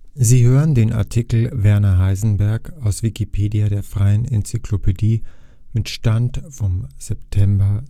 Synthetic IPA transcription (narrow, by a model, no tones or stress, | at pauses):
ziːɦøːʁəndeːna̰ɐtʰikl̩vɛɐnɐɦaɪzn̩bɛɐkaʊsv̥ikipʰeːdiaɾeːɐfʁ̥aɪənɪ̰nt͡sikʰlopʰediː | mɪtʃtantfɔmz̥ɛptʰɛmbɐ